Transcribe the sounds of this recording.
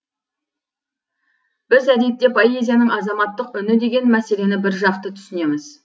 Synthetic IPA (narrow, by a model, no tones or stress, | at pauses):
b̥ɪzæd̪e̞t̪ːe̞pʰoe̞zʲijanəɴɑzɑmɑt̪ːəqʏnɪd̪e̞ɡʲe̞nmæse̞le̞nɪbɪɾʒɑqt̪ət̪ʰʏ̥sɪne̞mɪz̥